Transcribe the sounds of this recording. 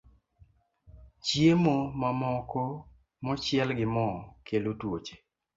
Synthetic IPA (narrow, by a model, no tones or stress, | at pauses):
t͡ʃjemomamɔkɔ | mɔt͡ʃɪɛlɡɪmɔkʰelotwot͡ʃe̥